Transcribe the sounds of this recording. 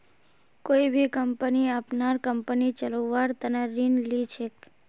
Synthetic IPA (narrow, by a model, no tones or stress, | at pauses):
koibʱikəmpəniapnaɾkəmpənit͡ʃəloʋaɾt̪əneɾinlit͡ʃʰek